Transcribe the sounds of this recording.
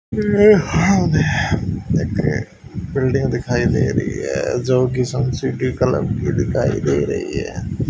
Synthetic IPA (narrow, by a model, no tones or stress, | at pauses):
e | ɪk | bɪlɖɪ̃ŋɡd̪ɪkʰaːid̪eːḭɾɐ̰ɦḭɦɛ̰ːd͡ʒoːkisəmsiʈikələ̰bkid̪ɪkʰaːḭd̪eiɾɐ̰ɦḭɦɛ̰ː